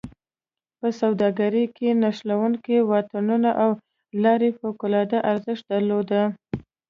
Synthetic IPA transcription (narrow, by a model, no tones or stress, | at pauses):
pəsawd̪ɑɡaɾəkenaʃlawuŋkewɑt̪anunaʔaw | lɑɾefokʊlɑd̪aʔaɾzəʃt̪̚d̪aɾlod̪a